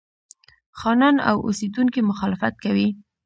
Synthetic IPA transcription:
xɑnɑna̰wʔo̰sed̪unkimʊxɑlɪfat̪̚kawi

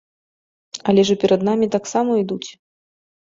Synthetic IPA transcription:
ɐlʲɛʐɨpʲɛɾɐd̪namʲit̪aksamɐid̪ut͡sʲ

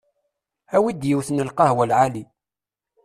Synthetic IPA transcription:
æwid̪jəwθənəlqɑhwælʕali

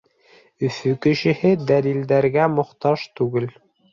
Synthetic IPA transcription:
ɵ̆fɵkɘ̆ʃɘ̆hɘd̪ælild̪æɾɡæmŏχt̪ɑʃt̪ʉɡɘl

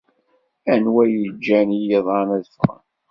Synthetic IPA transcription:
ænwæjəd͡ʒːænijeðˤɑnæðfʁə̰n

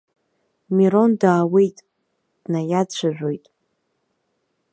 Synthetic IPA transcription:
miɾo̞ndaːwejtʼ | d̥najat͡ɕʷʰaʒʷᶣo̞jtʼ

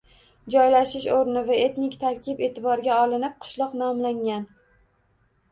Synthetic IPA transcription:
d͡ʒɒjlaʃɪʃoɾnɪvaet̪nɪkʲt̪ʰaɾkʲɪpe̞t̪ʰɪbɒɾɡʲaɒlˠɪnɪp̚qʰʊ̥ʃlˠɒqnɒmlaŋan

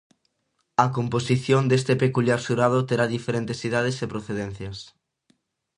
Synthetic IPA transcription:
ɐkomposiθjond̪est̪epekuljaɾsuɾað̞ot̪eɾaðifeɾent̪esiðað̞esepɾoθeðen̟θjɐs

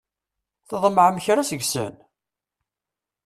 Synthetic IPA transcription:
θəðˤməʕmçɾæsəʝsə̰n

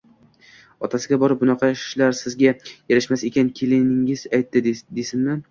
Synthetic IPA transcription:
ɒt̪ʰasɪɡʲabɒɾɪp̚bʊnɑqʰɑɪʃlaɾsɪzɡʲajeɾɪʃmasekʲankʲʰelɪnɪŋɪzajt̪ʰːɪd̪esɪnmɪ

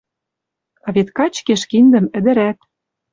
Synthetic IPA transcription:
ɑβet̪kɑt͡ɕkeʃkind̪ə̆mɘ̆d̪ɘ̆ɾæt̪

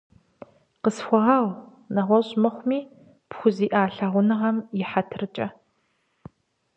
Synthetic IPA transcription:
qəsxʷɔʁɐw | nɐʁʷɔɕʼmɐχʷʊmiː | pxʷʊziːʔaːɬɐʁʷʊnɨʁɐmjɪħatʰrɨt͡ʃʼɐ

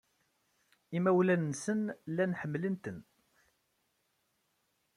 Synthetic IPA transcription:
imæwlænːsənlːænħəmːlənt̪ən

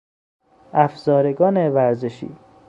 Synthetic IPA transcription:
ʔæfzɒːɾeɡɒːnevæɾzeʃḭː

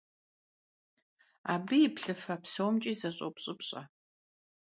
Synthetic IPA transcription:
a̰ːbɨjipɬɨfɐpsowmt͡ʃʼiːzɐɕʼo̰pɕʼɨpɕʼɐ̰

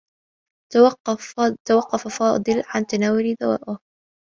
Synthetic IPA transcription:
t̪awɑqːɑfafɑːd̪ˤɨlʕant̪anaːwʊlid̪awa̰ːʔʊh

